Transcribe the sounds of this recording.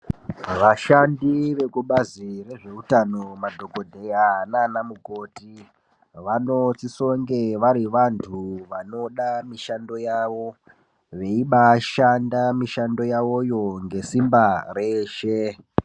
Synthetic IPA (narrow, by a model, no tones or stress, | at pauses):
ʋaʃandiʋe̞kuɓazire̞ʐe̞utanomadʱo̞ɡo̞dʱe̞jananamuɡʱo̞ːti | ʋanotisoŋɡe̞ʋaɾiʋantʰuʋano̞ɗamiʃando̞jaʋo̞ | ʋe̞iɓaʃandamiʃando̞jaojo̞ŋɡe̞simbaɾeːʃe